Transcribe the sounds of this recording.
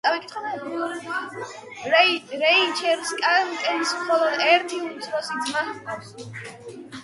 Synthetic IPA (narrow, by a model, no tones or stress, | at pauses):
t̪ʼawikʼit̪χɔ | ɾɛit͡ʃʰɛɾskʼankʼɛnismχɔlˠɔd̪ɛɾt̪ʰiunt̪sʼvɔsiɡma